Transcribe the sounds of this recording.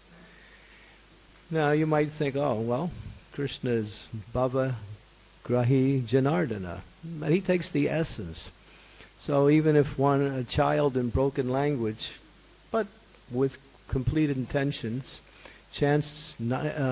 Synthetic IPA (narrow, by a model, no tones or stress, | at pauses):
naʊjɨmaɪt̪̚θɪ̃ŋkoʊwɛlˠkʰɹ̥ɪʃnɨɪzbɑvə | ɡ̥ɹaɦid͡ʒɨnɑɹdɨnə̰ðɨt̚hitʰeɪksðiʔɛsɨ̃nsː | oʊivɨ̃nɨfwʌ̃nɨt͡ʃʰaɪlˠdɨ̃nbɹoʊkɨ̃nlæ̃ŋɡwɪ̥d͡ʒ | b̥ʌt̚ | wɪð̥ | kʰm̩pʰl̥iɾɨ̃ntʰɛ̃nʃɨ̃nz̥ | t͡ʃʰæ̃nszn